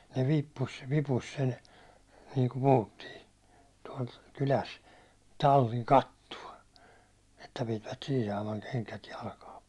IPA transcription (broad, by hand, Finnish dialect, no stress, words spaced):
ne ʋiːpːus ʋipus sen niːŋku puhutːiː tuɒl kylæs tɑlːiŋ kɑtːuɒ etːæ pitiʋæt siːn̞ sɑːmɑŋ keŋkæt jɑlkɑː